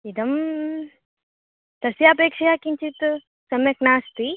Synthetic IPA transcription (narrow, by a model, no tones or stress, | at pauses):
id̪ɐm | t̪ɐsiapeːkʂɐjakiɲt͡ʃit̪ | sɐmjɐknaːst̪i